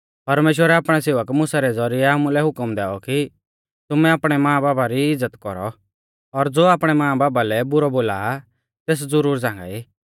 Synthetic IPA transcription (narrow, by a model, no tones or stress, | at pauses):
pɐɾmeːʃ̬wəɾɛaːpɽ̃ɛseːʋəkmʊ̃saɾɛd͡zɔɾɪɛamũlɛɦʊkəmd̪ɛːɔki | t̪ʊmɛaːpɽ̃ɛmãːbaːbaɾiɪd͡zːət̪kɔɾɔ̰ | ɔɾd͡zoːaːpɽ̃ɛmãːbaːbalɛbʊɾɔboːla | t̪eːs̬d͡zʊɾuːɾd͡zãːŋ̆ɡa̰iː